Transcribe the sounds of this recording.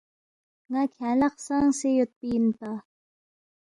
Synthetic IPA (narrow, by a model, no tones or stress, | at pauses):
ŋakʰalaqsaŋsejot̪̚pint̪a